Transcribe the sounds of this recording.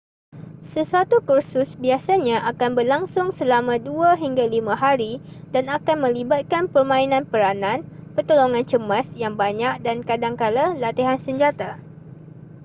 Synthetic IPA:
səsuat̪ukursʊsbiasaɲãʔakanbərlaŋsʊŋsəlamãduaɦiŋɡalimãɦaɾidanakanmə̃libat̪̚kanpərmãinãnpəɾanãnpərt̪oloŋãnt͡ʃəmasjaŋbaɲak̚dankadaŋkalalat̪iɦansəɲd͡ʒat̪a

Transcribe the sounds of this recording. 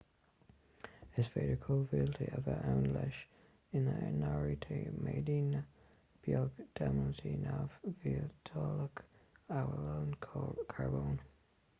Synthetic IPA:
ɪzfeɪɾəkʰoːvɪlˠtʰiʔəvəʔaʊ̃nlɛʃ | ɪ̃nðənɔɹitʰemʔedinə | b̥jɔɡd̥amənsinavviətʰɔləkawəlõʊnkʰaɹbõːn

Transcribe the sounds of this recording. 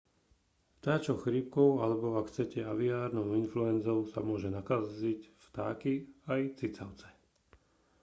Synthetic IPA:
ft̪aːt͡ʃɔxɾip̚kɔʊalɛbɔakxt͡sɛcɛaʋiaːɾnɔʊinfluɛnd͡zɔʊsa̰mʊɔʒɛnakazicft̪a̰ːkiajt͡sit͡saʊt͡sɛ̥

